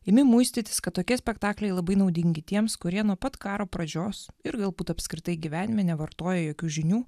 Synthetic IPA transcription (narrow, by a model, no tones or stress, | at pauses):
ɪmʲɪmuɪsʲt̪ʲɪt̪ʲɪ̥skɐt̪̚t̪ːoːkʲiɛsʲpʲɛkt̪ɑːklʲɛɪlˠɐbɐɪnɒʊd̪ʲɪŋʲɡʲɪt̪ʲiɛmskʊɾʲiɛnuɔpɐt̪kɑːɾoːpɾɐd͡ʒʲoːsɪɾɡɐlˠbuːt̪ɐpʲskɾʲɪt̪ɐɪɡʲiʋʲæːnʲɪmʲɛnʲɛʋɐɾt̪oːjɛjoːkʲuːʒʲɪnʲuː